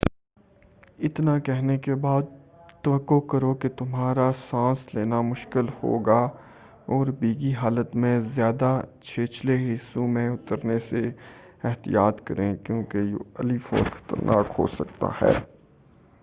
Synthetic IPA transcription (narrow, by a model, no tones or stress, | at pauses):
ɪt̪nakɛɦnekebaːd̪̚t̪ɐʋəkːokɐɾoket̪ʊmɦaːɾasãːsleːnamʊʃkɪlho̰ːɡa | ɔːɾbiːɡiɦaːlət̪mẽzjaːd̪at͡ʃʰeːt͡ʃleɦɪsũmẽʊt̪əɾnese | ɪɦt̪ḭjaːt̪kɐɾẽkjõːkejɐlifɔ̰ːɾxɐ̥t̪ə̰ɾnʔa̰ːkho̰sɐk̚t̪a̰hɛ̰ː